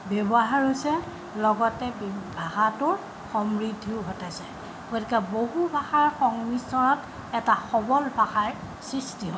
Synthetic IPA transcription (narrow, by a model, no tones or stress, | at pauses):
bɔbɔɦaɹɦosɛ | lɔɡɔtɛbbʱahatʊɹ | xɔmɹidʱiʊɦɔtasɛ | ɡ̥otikɛboɦubʱaxaɹxɔŋmisɔnɔt | ɛtaxɔbɔlbʱaxaɹ | sɹistiɦɔ